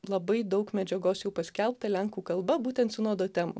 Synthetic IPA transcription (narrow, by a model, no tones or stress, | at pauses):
lˠɐbɐɪd̪ɒʊkmʲɛd͡ʒʲɛɡoːsjɛʊpɐsʲkʲɛlˠpt̪ɐlʲæŋkuːkɐlˠbɐbuːt̪ʲɛnt̪sʲʊnoːd̪oːt̪ʲæːmṵː